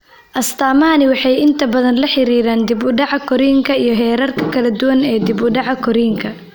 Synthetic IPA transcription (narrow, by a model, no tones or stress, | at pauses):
ʔɐst̪ʰaːmɐɦɐnɪwɑħɑjɪnt̪ʰɐbɐðɐnlɐħɪɾiːɾaːnd̪ɪbʊɖɑʕɑkʰɔɾiːŋkʰɐijɞɦɛːɾɐrkʰɐkʰɐlɐd̪ʊwɐnɛːd̪ɪbʊɖɑʕɑkʰɔɾiːŋkʰɐ